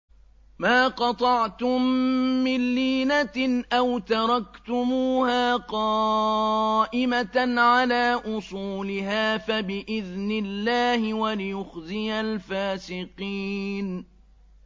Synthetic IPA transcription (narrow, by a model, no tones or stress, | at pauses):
maːqɑt̪ˤɑʕt̪ʊmːɪnːiːnaʔawt̪ɑɾˤɑkt̪ʊmuːhaːqɑː | ʔɪmaʕalaːʔʊsˤuːlɪɦaːfabɪʔɪðnɪlːaːhɪwalɪjʊxzɪjalfaːsɪqiːn